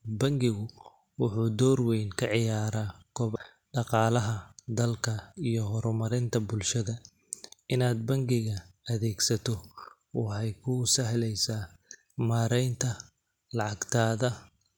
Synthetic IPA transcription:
bɐŋɡɪɣʊ | wʊħuːd̪ɔːrwɛjnkʰɐʕɪjaːɾaːkʰɔβ | ɖɑqɑːlɐɦɐd̪ɐlkʰɐijɔɦɔɾɔmɐɾɪnt̪ʰɐbʊlʃɐðɐ | ɪnaːd̪̚bɐŋɡɪɣɐɐðɛːɡsɐt̪ʰɔ | wɑħɛjkʰʊsɐɦlɛjsaː | maːɾɛjnt̪ʰɐ | lɑʕɑɡt̪ʰaːðɐ

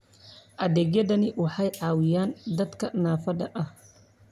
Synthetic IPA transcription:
ʔɐd̪ɛɡjɛd̪ɐniʔʊħajʕaːwijaːnd̪ɐt̪kɐnaːfɐdɐʔɐh

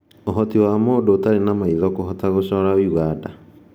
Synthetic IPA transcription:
oɦɔtiwamoːndoːtaɾenamaiðɔkohɔtaɣoɕɔɾaoiɣada

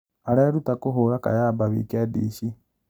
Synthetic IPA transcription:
aleːɾutakuɦuɾaka̰jaːbaβḭkiadḭʃi

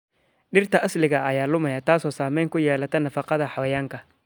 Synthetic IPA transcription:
ɗɪrt̪ʰɐʔɐslɪɣɐʔɐjaːlʊmɐjaːt̪ʰaːsɔːsaːmɛjŋkʰʊjɛːlɐt̪ʰɐnɐfɑqɑðɐħɑwɐjaːŋkʰɐ

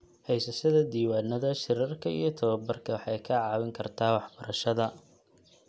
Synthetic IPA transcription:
hɛjsɐʃɐðɐd̪iːwaːnːɐðɐʃɪɾɐrkʰɐḭjɞt̪ʰɐβɐbɐrkʰɐwɑħɑjkʰɐʕɑːwɪŋkʰɐrt̪ʰaːwɑħb̥ɐɾɐʃɐðɐ

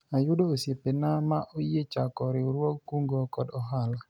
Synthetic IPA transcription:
ajʊdoːsjepenamaʔojet͡ʃakɔɾɪoɾwɔkkuŋɡokɔdɔɦala

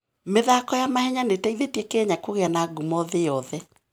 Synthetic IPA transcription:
meðakɔjamahɛɲanetaiðetɛkɛɲakoɣeanaɡumɔðejɔðɛ

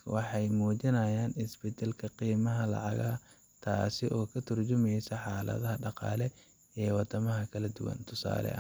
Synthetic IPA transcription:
wɑħɑjmuːt͡ʃɪnɐjaːnɪsbɛd̪ɛlkʰɐqiːmɐɦɐlɑ̰ʕɑɣɐ | t̪ʰa̰ːsɪʔɔːkʰɐt̪ʰɐrt͡ʃʊmɛjsɐħɑːlɐ̰ðɐɦɐɖɑqɑ̰ːlɛ | ɛːwɑt̪ɐmɐɦɐkʰɐlɐd̪ʊwɐ̰nt̪ʰʊsa̰ːlɛ̰ʔɐ̰

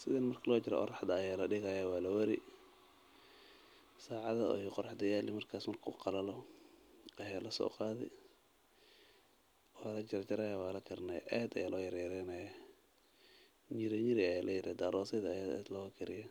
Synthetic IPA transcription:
sɪðɛnmɐrkʰɐlɔːt͡ʃɪɾɛ̰ʔɔ̰ɾɑħd̪ɐːjaːlɐɖɪɣɐjɐwɑːlɐwɐɾɪ | saːʕɑðɐɔ̰jqɔɾɑħd̪ɐjaːlɪmɐrkʰaːsmɐrkʰṵːqɑlɐlɔ | ɐjaːlɐsɔ̰ːqɑːðɪ̰ | wɑːlɐt͡ʃɪɾt͡ʃɐɾajawaːlɐkʰɪrnɛ̰jʔɛːd̪ɐjaːlɔːjɐɾjɐɾɛnɛj | ɲɪɾɛɲɪɾɪɐjaːlʔɐjɪɾɛd̪aːɾɔːsɛðɐja̰ːd̪lɔːkʰɪɾɪjɐ

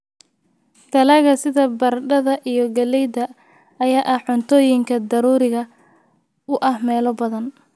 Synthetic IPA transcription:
t̪ʰɐlɐɣɐsɪðɐbɐrɖɐðɐʔijɔɡɐlɛjd̪ɐː | jaːʔɐhʕʊnt̪ʰɔːjɪŋkʰɐd̪ɐɾuːɾɪɣɐ | ʊʔɐhmɛːlɔbɐðɐn

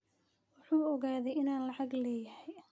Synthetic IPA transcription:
wʊħuːɔɣaːðɛjɪnaːnlɑʕɑɡlɛːjɐhɛj

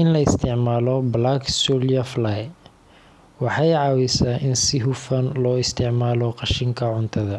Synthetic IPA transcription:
ɪnlɐɪst̪ʰɪʕmaːlɔblaksuljɐflaj | wɑħɑjʕɑːwɪsaːʔɪnsɪɦʊfɐnlɔːɪst̪ʰɪʕmaːlɔqɑʃɪŋkʰɐʕʊnt̪ʰɐðɐ

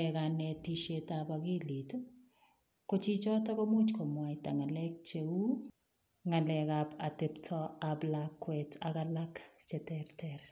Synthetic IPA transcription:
ɛkanɛtiʃetapakilit | kot͡ʃit͡ʃɔtɔkomut͡ʃkomwataŋalɛk̚t͡ʃeu | ŋalɛkapatɛptʰɔablakːwɛtʰa̰kalakt͡ʃɛtɛɾtʰɛɾ

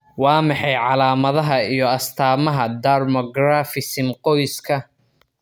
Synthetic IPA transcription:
wɑːmɑħɑjʕɑlaːmɐðɐɦɐijɞɐst̪ʰaːmɐɦɐd̪armɔɡɾafɪsɪmqɔjskʰɐ

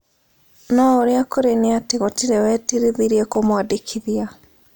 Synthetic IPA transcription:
nɔoɾeakoɾeneateɣɔtiɾewɛtiɾiðiɾiekomwadikʰiðia

